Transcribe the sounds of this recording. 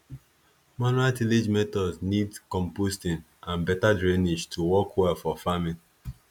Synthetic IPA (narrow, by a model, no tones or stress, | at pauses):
manualtiled͡ʒmɛtɔdznidkɔ̃mpostĩn | ãnbɛtadɹɛnid͡ʒtʰuwɔkwɛlfɔfamĩn